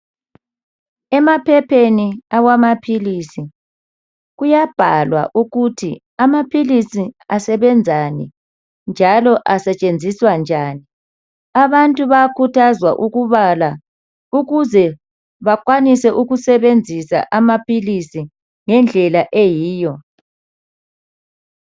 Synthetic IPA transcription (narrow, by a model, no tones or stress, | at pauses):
ɛmapʰɛpʰeniaɣwamapʰilisi | ɣujab̥ʱalwa̰ʔuɣutʰi | amapʰilisiasɛβɛnd͡zʱanḭ | nd͡ʒʱalɔʔasɛt͡ʃʼend͡zʱiswand͡ʒʱani | aβantʼuβakʰutʰazwaʔuɣuβala | uɣuzɛ | βakʼwanisɛʔuɣusɛβend͡zʱisa̰ʔamapʰilisi | ŋɛnd͡ɮʱɛlaʔejiːjɔ